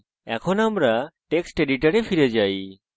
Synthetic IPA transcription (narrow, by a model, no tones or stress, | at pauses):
ɛ̰kʰɔnamɾaʈeksʈeɖiʈaɾepʰiɾɛd͡ʒaj